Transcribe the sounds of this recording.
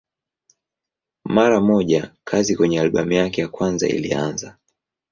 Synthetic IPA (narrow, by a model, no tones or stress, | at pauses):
maɾamɔʄakʰazikwɛɲɛalɓamujakɛjakwanza̰ḭlianza